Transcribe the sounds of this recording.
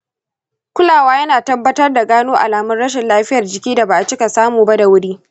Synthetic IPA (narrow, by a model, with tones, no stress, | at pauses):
kʷʊ˦laː˨waː˦jɐ˦naː˨tɐ˦bːɐ˦tɐ˦rda˨ɡaː˦noː˦ʔa˨laː˨mɐ˦nɽɐ˦ʃ̬ɪ˨nlaː˦ɸɪ˦jɐ˨rd͡ʒɪ˨kʲiː˦da˨ba˨ʔa˨t͡ʃɪ˦ka˨saː˦muː˨ba˦da˨wʊ˦ɽiː˦